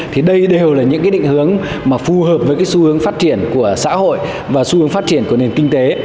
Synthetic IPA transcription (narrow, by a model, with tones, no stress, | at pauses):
t̪ʰi˨˩ɗə˧jɗe˨˩wlaː˨˩ɲɨ̰˧˥ŋkaː˨˦jɗï˧˨ŋ̟hɨ˨˦əŋ | maː˨˩fu˨˩həː˨˩p̚vəː˨˦jkaː˨˦jsu˧hɨ˨˦əŋfaː˦˥t̚t͡ɕi˧˩ənku˧˩əsa̰ː˧˥ho̰˧˨j | vaː˨˩su˧hɨ˨˦əŋfaː˦˥t̚t͡ɕi˧˩ənku˧˩əne˨˩nkï˧ŋ̟t̪e˨˦